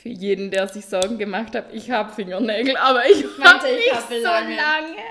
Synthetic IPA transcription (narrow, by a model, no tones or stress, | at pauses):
fyːɐjeːdn̩deːɐzɪçz̥ɔɐɡŋ̩ɡəmaxthatɪçhaːbəfɪŋɐnɛːɡl̩ʔaːbɐɪçabɪçzolaŋə